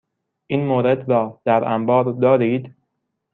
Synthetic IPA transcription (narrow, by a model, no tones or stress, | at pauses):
ʔiːnmoːɾe̞d̪ɾɒːd̪̥æɾʔæmbɒːɾd̪ɒːɾiːd̪